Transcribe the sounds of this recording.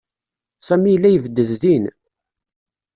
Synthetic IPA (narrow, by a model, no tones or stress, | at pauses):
sæmijəlːæjəvəd̪ːəððin